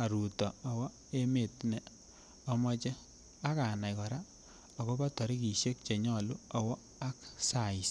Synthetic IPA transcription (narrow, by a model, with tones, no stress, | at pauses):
a˨ɾu˨tɔ˨ɔ˨wɔ˦ | e˦me˨tnɛ˨ | ɔ˦mɔ˦t͡ʃɛ˦ | a˦ka˨na˨jkɔ˨ɾa˦ | ɔ˨ko˦ba˦tɔ˨ɾi˦ki˨ʃe˦k̚t͡ʃe˨ɲɔ˦˨lu˦ɔ˨wɔ˦ | a˦ksa˨i˨s